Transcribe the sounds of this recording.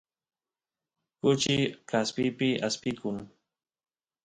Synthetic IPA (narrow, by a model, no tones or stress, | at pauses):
kʊt͡ʃɪkaspɪpɪʔaspɪkʊŋ